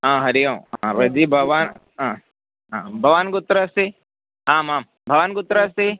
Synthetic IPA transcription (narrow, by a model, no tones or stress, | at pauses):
ɦãːɦɐɾiõãɾɐd͡ʒibʱɐʋaːnɦãː | ɦãːbʱɐʋaːnɡʊt̪ːɾase | aːmaːm | bʱɐʋaːnɡʊt̪ːɾase